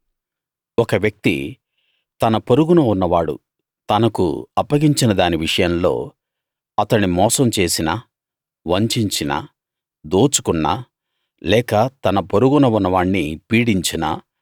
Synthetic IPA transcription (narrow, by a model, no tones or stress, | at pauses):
ɔkɐʋjɐk̚t̪ḭ | t̪ɐnɐpoɾuɡunɐunːɐʋaːɽṵ | t̪ɐnɐkṵɐpːɐɡiɲt͡ʃinɐd̪aːniʋiʂɐjɐmlo̞̰ː | ɐt̪ɐɳimɔːsɐmt͡ʃe̞ːsinɐ | ʋɐɲt͡ʃiɲt͡ʃinɐ̰ | d̪oːt͡ʃu̥kuɳːɐ̰ | lɛːkɐt̪ɐnɐpoɾuɡunɐunːɐʋaːɳnipiːɽiɲt͡ʃinɐ̰